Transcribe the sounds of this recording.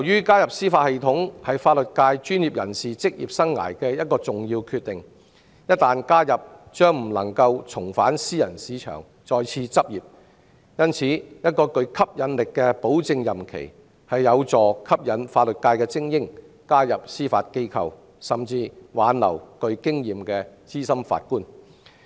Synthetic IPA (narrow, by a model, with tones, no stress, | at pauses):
jɐ˨˩wjyː˥kaː˥jɐ˨p̚siː˥faː˧t̚he˨jt̪ʰʊ˨˥ŋhɐ˨jfaː˧t̚lɵ˨t̚kaː˧jt͡ʃyː˥nji˨p̚jɐ̰˨˩nsiː˨t͡sɪ˥k̚jḭː˨p̚sɐ˥ŋːa̰ː˨˩jkɛː˧jɐ˥t̚kɔː˧t͡sʊ˨ŋjiː˧wkʰy˧t̪ɪ˨ŋ | jɐ˥t̚t̪aː˨nkaː˥jɐ˨p̚t͡ʃœː˥ŋm̩˨˩lɐ̰˨˩ŋkɐ˧wt͡sʰʊ˨˩ŋfaː˨˥nsiː˥jɐ˨˩nsiː˨˥t͡ʃʰœ̰ː˨˩ŋ | t͡sɔː˧jt͡sʰiː˧t͡sɐ˥p̚jiː˨p̚ | jɐ˥nt͡sʰiː˨˥jɐ˥t̚kɔː˧kɵ˧ɥkʰɐ˥p̚jɐ˨˧nlɪ˨kːɛː˧po˨˥wt͡sɪ˧ŋjɐ˨mkʰḛ˨˩j | hɐ˨jːɐ˨˧wt͡sɔː˨˩kʰɐ˥p̚jɐ˨˥nfaː˧t̚lɵ˨t̚kaː˧jkɛː˧t͡sɪ˥ŋjɪ˥ŋ | kaː˥jɐ˨p̚siː˥fa̰ː˧t̚ke˥jkʰɐ˨w | sɐ˨˩mt͡siː˧waː˨˥nlɐ̰˨˩wkɵ˧ɥkɪ˥ŋjiː˨mkɛː˧t͡siː˥sɐ˥mfa̰ː˧t̚kuː˥n